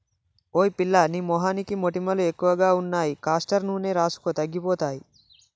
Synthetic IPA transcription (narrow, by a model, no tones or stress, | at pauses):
oːipilːɐniːmɔɦaːnikimoʈimɐluekːuʋɐɡaːunːaːjikaːsʈɐɾnuːne̞ːɾaːsu̥kot̪ɐɡːipɔːt̪aːji